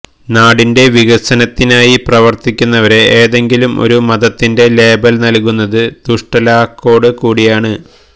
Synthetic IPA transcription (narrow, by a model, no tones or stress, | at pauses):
naːɽinde̞ʋiɣɐsɐnɐt̪ːinaːjiprɐʋɐrt̪ikʲːunːɐʋɐɾe̞ʔeːðe̞ŋɡilumo̞̰ɾumɐðɐt̪ːinde̞le̞ːbɐlnɐlkunːɐðɨd̪̥uʂʈɐlaːkːo̞ːɽɨkuːɽijaːɳɨ